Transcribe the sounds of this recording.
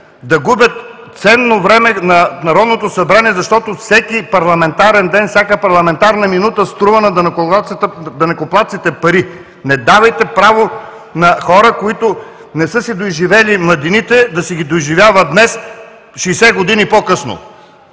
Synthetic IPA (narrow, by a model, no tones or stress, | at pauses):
d̪ɐɡubʲjət̪ | t̪sɛnːovɾɛmɛnɐnɐɾɔd̪not̪osɐbɾaniɛzɐʃt̪ɔt̪ofsɛkipɐɾlˠɐmɛnt̪aɾɛnd̪ɛnfsʲakəpɐɾlˠɐmɛnt̪aɾnɐminut̪əst̪ɾuvɐnɐd̪ɐnk̪ | d̪ɐnɛkoplˠat̪sit̪ɛpɐɾi | nɛd̪avɐjt̪ɛpɾavo | nɐxɔɾəkoit̪o | nɛsɤsid̪ojʒivɛlimlˠɐd̪init̪ɛd̪ɐsɛɡʲid̪ojʒivʲjavəd̪nɛs | ʃijsɛɡod̪inipɔkɤsno̰